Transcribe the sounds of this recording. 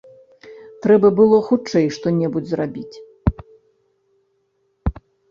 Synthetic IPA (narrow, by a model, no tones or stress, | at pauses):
t̪ɾɛbɐbɨlˠɔxut͡ʂɛjʂt̪ɔnʲɛbud͡zʲzrabʲit͡sʲ